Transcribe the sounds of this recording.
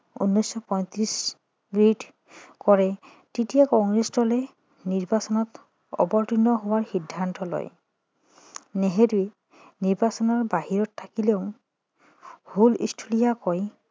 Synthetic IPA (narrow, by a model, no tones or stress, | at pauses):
ṵnːɔjsɔpɔj̃t̪ɹis | ɡɹid | kɔɹɛ | titijakɔŋɹesdɔlɛ | niɹbasɔnɔt | ɔ̰bɔɹtinɔɦowaɹxidʱːantɔlɔ̰j | neɦedue | niɹbasɔnɔɹbaɦiɹɔtʰːakileʊ | hulḭstʰulijakɔj